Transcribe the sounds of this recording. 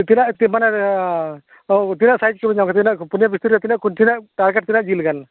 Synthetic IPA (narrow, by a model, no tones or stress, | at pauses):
t̪inaʔt̪imana | t̪inaʔsajd͡ʒkibəɲaw̃ŋkat̪inaʔpunjabist̪uɾjat̪inaʔkunt̪inaʔʈaɾɡeʈ̚t̪inaʔd͡ʒilɡan